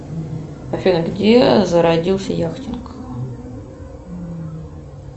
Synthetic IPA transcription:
ɐfʲenəɡdʲezəɾɐdʲilˠsʲəjaxtʲɪnk

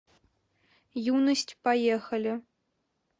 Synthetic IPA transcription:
junəsʲtʲpajexɐlʲɘ̆

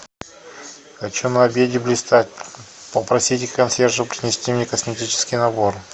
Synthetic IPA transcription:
xɐt͡ɕonɐɐbʲedʲɪblʲɪst̪atʲ | pəpɾɐsʲitʲɪkkɐnsʲerʐɨpɾʲɪnʲɪsʲtʲimnʲekəsʲmʲɪtʲit͡ɕɪ̥skʲijnɐbo̞r

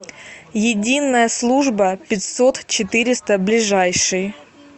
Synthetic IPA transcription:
jɪdʲinːəjəslˠuʐbəpʲɪtʲsot̪t͡ɕɪt̪ɨɾʲɪst̪əblʲɪʐajʂɨj

